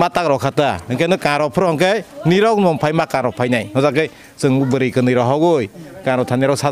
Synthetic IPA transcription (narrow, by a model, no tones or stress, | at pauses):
matak̚ɾɔwkʰatahɯŋkʰajnɯkaɾɔpʰɯɾɔhɔŋkɯjniɾɔk̚nɔmpʰajmakaɾɔpʰajnajhɔzakːɯj | sɯŋbubɯɾikɯnɯjɾɔwɦawɡɯjkãɾɔtʰaniɾɔsa